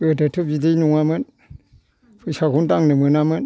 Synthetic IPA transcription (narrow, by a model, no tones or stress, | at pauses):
ətətʰɯbidejnuŋamɯn | pʰɯsakuntaŋnɯmɯnamɯn